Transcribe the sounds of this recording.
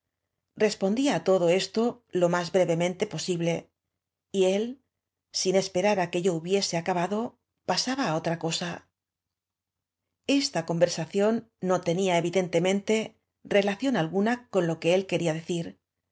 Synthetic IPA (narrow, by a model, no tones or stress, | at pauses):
re̞spo̞nd̪iaːt̪o̞ðo̞e̞st̪o̞lo̞mazβɾe̞βe̞mẽnt̪e̞po̞siβle̞ | ie̞l | sine̞spe̞ɾaɾake̞ʝo̞uβje̞se̞akaβaðo̞ | pasaβaːo̞t̪ɾako̞sa | e̞st̪ako̞mbe̞ɾsaθjo̞nːo̞t̪e̞niaeβ̞iðe̞nt̪e̞mẽ̞nt̪e̞ | re̞laθjo̞nalɣunako̞nlo̞ke̞e̞lke̞ɾiaðe̞θiɾ